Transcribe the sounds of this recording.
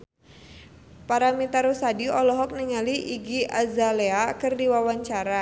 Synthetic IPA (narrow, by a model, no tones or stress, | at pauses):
paɾamit̪aɾusadiɔlɔɦɔk̚niŋaliʔiɡiʔazaleakɨrdiwawaɲt͡ʃaɾa